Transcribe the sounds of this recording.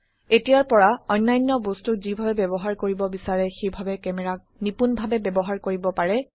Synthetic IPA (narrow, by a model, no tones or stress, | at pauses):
etijaɹpɔɹaɔjnːajnːɔbostukzibʱabɛbɛbɔɦaɹkoɹibɔbisaɹɛxejbʱabɛkɛmɛɹak̚nipunbʱabɛbɛbɔɦaɹkoɹibɔpaɹɛ